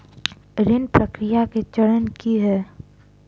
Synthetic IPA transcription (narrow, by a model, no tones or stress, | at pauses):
ɾɪnpɾəkɾɪjaket͡ʃəɽənkiɦɛː